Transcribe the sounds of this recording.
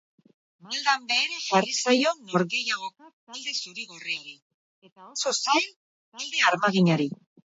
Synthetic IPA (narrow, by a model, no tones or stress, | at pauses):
beld̪ambe̞ːɾefarisajo̞noɾɣe̞jaɣ̞o̞ | eld̪esuɾiɣorejɾi | sosajl | eld̪eaɾmaɣiɲaɾi